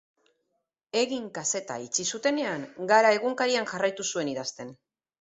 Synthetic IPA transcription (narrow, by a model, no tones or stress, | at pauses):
e̞ɣiŋkase̞t̪a̰it͡sisut̪e̞ne̞aŋɡaɾae̞ɣuŋkaɾiaŋʝarajt̪usue̞niðast̪e̞n